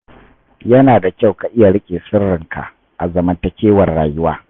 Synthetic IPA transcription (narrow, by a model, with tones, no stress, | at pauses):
jɐ˦naː˨da˨kʲa˦˨wka˨ʔɪ˦ja˨ɽɪ˦kʲʼeː˨sʊ˦rːɪ˨ŋka̰˨ʔ | ʔa˨zɐ˨mɐ˦ntɐ˦kʲeː˦wɐ˨rɽa̰ː˨jʊ˦waː˦